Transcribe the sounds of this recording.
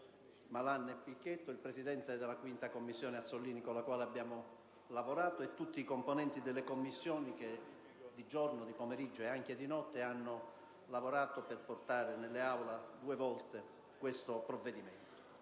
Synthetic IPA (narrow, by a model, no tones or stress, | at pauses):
malanːepːikːet̪ːoilpɾesid̪ɛnt̪ed̪elakwint̪akomːisːjɔːneat̪sːolːiːnikolːakwaːleabːjaːmo | lavoɾaːt̪oet̪ːut̪ːiːkomponɛnt̪id̪elːekomːisːjɔːnik̟e | d̪id͡ʒornod̪ipomeɾid͡ʒːoeaŋk̟ed̪inɔt̪ːeanːo | lavoɾaːt̪operport̪aːɾenelːeawlad̪uːevɔlt̪e | kwest̪opɾovːed̪iment̪o̥